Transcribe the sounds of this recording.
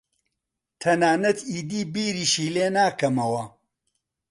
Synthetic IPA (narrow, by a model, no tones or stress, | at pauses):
t̪ʰɐnaːnɐt̪iːd̪iːbiːɾiːʃiːleːnaːkɐmɐwɐ